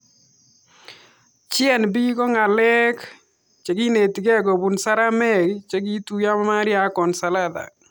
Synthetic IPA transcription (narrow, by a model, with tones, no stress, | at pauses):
t͡ʃɪɛ˦˨nbi˦kɔ˦ŋa˨lɛ˦k | t͡ʃe˨ɡi˦ne˨ti˨ɡɛ˦˨ɡo˨bu˨nsa˦ɾa˦mɛ˦˨ɡt͡ʃe˦ɡi˦tu˦ja˦ma˦ma˦ɾɪja˨kɔ˨nsa˨la˦d̪a̰˨